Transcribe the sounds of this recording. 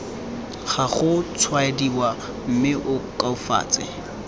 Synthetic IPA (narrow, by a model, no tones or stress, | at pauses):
χaχʊt͡sʰwaediwa | m̩mɪʔʊkʼaufa̰ːt͡sʼɪ̰